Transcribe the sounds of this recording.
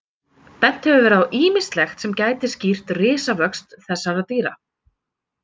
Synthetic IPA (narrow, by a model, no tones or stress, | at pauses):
pɛn̥t̪hɛvʏvɛːɾawʔiːmɪst̪lɛxt̪sɛmcaːjt̪ɪscir̥t̪rɪːsavœkst̪θɛsːaɾaðt̪iːɾa̰